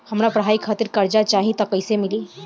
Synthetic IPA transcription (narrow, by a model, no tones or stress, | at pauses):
həmɾapɾəɦaːikʰaːt̪ɪɾkɐɾd͡ʒat͡ʃaːɦĩt̪ɐkəɪsemɪliː